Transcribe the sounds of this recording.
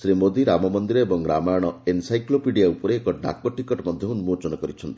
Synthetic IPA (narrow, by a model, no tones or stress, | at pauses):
sɾimod̪iɾamɔmɔnd̪iɾɔebɔŋɾamajɔɽ̃ɔensajklopiɖijaupɔɾeːkɔɖa̰kɔʈikɔʈmɔd̪ʱjɔunumot͡ʃɔnɔkɔɾit͡ʃʰɔnt̪i̥